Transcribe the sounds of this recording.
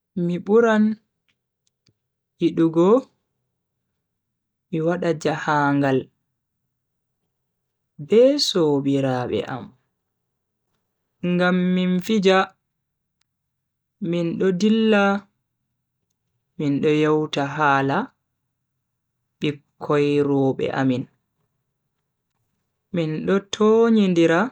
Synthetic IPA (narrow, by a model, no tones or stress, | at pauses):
miɓuɾan | ʔiɗuɡɔ | miwaɗad͡ʒahaːŋɡal | bɛːsoːbiɾaːɓɛ̰ʔa̰m | ŋɡamːinfid͡ʒa | minɗɔdilːa | minɗɔjɔwtaɦaːla | ɓikʰːɔjɾɔːɓɛ̰ʔa̰min | minɗɔtʰoːɲindiɾa